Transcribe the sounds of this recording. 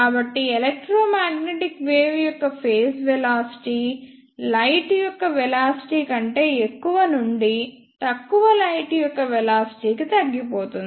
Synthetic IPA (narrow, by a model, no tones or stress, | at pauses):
kaːbɐʈːielek̚ʈɾoːmaːɡneʈikʋeːʋjɔkːɐpʰe̞ːsʋɛlaːsi̥ʈiː | lɐjʈujɔkːɐʋɛlaːsi̥ʈiːkɐɳʈe̞ːekːuʋɐnuɳɖi | t̪ɐkːuʋɐlɐjʈujɔkːɐʋɛlaːsi̥ʈiːkit̪ɐɡːipoːt̪und̪i